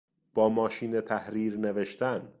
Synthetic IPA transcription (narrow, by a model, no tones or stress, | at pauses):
b̥ɒːmɒːʃiːnet̪ʰæhɾiːɾneve̞ʃt̪æn